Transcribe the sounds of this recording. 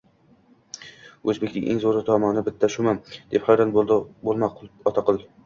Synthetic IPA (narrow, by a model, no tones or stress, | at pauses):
ɵzbekʲnɪ̰ŋʲʔḛŋzoɾɪt̪ʰɒmɒnɪbɪt̪ʰːaʃʊmamd̪̥e̞phɑjɾanbolˠmaqˠɒt̪ʰɑqʰɨlˠ